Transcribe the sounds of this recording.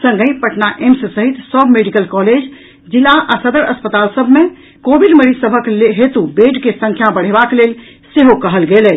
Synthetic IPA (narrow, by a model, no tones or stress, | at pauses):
sə̃ŋɡə̃ĩpəʈnaʔemsəsəɦit̪səbʱmeɖikəlkɔled͡ʒ | d͡ʒilːaʔasəd̪əɾəspət̪alsəbʱme | kobiɖməɾisəbʱəklɦet̪ubeʈkesə̃ŋkʰjabəɽ̤ebaklel | seɦokəɦəlɡelɛ